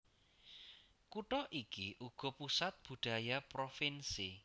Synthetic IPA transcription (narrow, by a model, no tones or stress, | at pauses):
kuʈɔʔikiʔuɡ̥ɔ̤pusat̪̚b̥ṳɖ̪̥a̤japɾofinsi